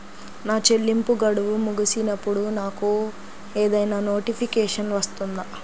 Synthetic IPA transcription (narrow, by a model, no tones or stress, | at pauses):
naːt͡ʃe̞lːimpuɡɐɽuʋumuɡusinɐpːuɽunaːku | eːd̪ɐjnaːno̞ːʈipʰikɛːʂɐnʋɐst̪und̪a